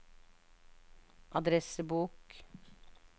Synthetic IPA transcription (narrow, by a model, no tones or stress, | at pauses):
ʔɑd̪ɾɛsəbuːk